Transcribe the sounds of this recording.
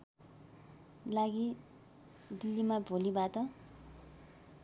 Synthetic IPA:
laɡi | d̪ilːimabʱolibat̪ʌ

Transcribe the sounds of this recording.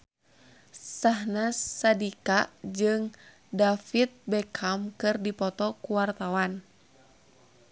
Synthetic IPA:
saɦnasadikad͡ʒɨŋ | dafit̪̚bɛkʰamkɨrdipɔt̪ɔkuwart̪awan

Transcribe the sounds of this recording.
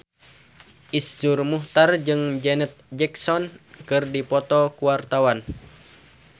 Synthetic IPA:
ʔisd͡ʒurmuht̪ard͡ʒɨŋd͡ʒɛnɛt̪̚d͡ʒɛksɔnkɨrdipɔt̪ɔkuwart̪awan

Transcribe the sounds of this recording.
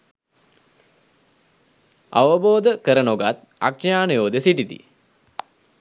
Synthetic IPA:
a̰ʋəboːd̪əkəɾənoɡat̪ | a̰kʂɐjaːnəjoːd̪esiʈit̪ḭ

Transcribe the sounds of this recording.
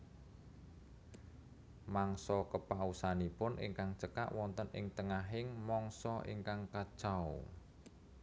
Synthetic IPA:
maŋsɔkəpausanipʊnʔɪ̰ŋkaŋt͡ʃəka̰ʔwɔnt̪ənɪ̰ŋt̪əŋaɦɪŋmɔŋsɔʔḭŋkaŋkad̥ʒ̥aw

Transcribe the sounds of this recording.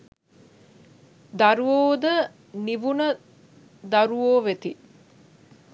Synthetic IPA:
d̪aɾuoːd̪ə | niʋunə | d̪aɾuʋoːʋet̪i

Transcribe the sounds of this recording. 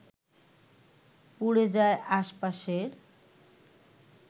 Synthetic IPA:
puɽed͡ʑaeʔaʃpaʃeɾ

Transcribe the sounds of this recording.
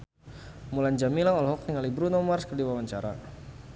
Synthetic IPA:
muland͡ʒamilaŋɔlɦɔk̚niŋalibɾunɔmarskədiwawaɲt͡ʃaɾa̰

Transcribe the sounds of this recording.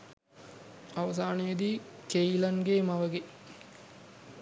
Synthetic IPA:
aʋɐs̬aːnəjed̪iːkejilɐŋɡeːmaʋəɡe

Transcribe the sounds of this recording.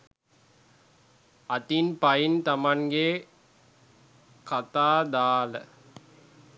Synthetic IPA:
ɐt̪inpɐjint̪ɐmaŋɡe | kat̪aːd̪aːlə̰

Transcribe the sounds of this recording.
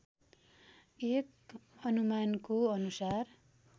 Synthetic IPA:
ek | ʌnumankoʌnusar

